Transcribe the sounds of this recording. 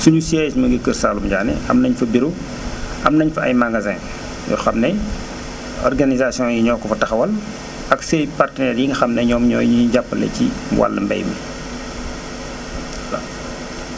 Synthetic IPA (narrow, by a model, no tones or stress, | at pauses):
suɲusiɛsmɐɡəkːərsaːlumɟaːnɛ̰ɐmnɐɲfɐbiɾu | ɐmnɐɲfɐɐ̰jmaɡazɛːn | jɔ̰xɐmnɛ | ɔ̰rɡanizasijɔ̃jiɲɔːkːɔfɐtɐxɐwɐl | ɐksɛjpartənɛːrjiŋɡɐxɐmnɛɲɔːmɲɔjiɲiɟapːəlɛ̰ciwʔa̰lːɐ̰mbɛ̰jmi | la